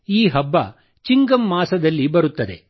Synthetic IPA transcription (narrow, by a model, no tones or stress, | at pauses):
iːɦɐbːɐ̰ | t͡ʃiŋɡɐmːaːsɐd̪ɐlːibɐɾut̪ːɐd̪e̞̰